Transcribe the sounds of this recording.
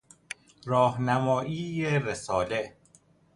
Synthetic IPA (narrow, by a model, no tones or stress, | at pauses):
ɾɒːhnæmɒːʔiːjeɾesɒːle